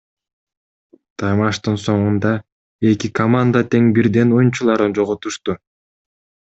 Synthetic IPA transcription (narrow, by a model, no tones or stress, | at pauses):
t̪ʰɑjmɑʃt̪ɯnso̞ɴund̪ɑ | e̞kikʰɐmand̪at̪e̞ŋbiɾd̪e̞nojunt͡ʃulˠɑɾɯnd͡ʒo̞ʁot̪uʃt̪u